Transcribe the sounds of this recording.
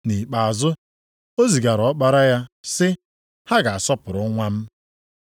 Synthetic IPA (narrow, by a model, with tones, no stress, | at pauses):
ni˨k͡pa˨a˨zʊ˦ | o˦zi˨ɡa˨ɾɔ˨˦k͡pa˦ɾa˦ja˦sɪ˦ | ha˦ɡa˨a˨sɔ˦pʊ˨ɾʊ˨˦ŋʷa˦m̩˦